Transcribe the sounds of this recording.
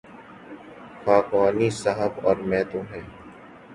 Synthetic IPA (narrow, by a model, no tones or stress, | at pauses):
xaːkaːnisaɦəbɔːɾmɛ̃ːt̪õɦɛː